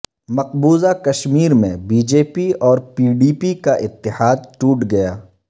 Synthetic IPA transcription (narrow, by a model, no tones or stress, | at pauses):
mɐq̚buːzakɐʃmiːɾmẽbiːd͡ʒeːpiɔːɾpiːɖiːpikaʔɪt̪ːɪhaːd̪̚ʈuːʈɡɐjaː